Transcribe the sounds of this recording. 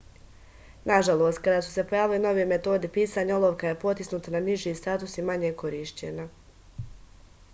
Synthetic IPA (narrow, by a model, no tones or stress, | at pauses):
naʒalˠo̞ːst̪̚kad̪aːsu̥se̞po̞jaːʋileno̞ʋijeme̞t̪o̞ːd̪epiːsaːɲaolˠoːʋkajepo̞t̪isnuːt̪ananiʒiːst̪aːt̪usimaɲekoɾiːʃt͡ɕḛna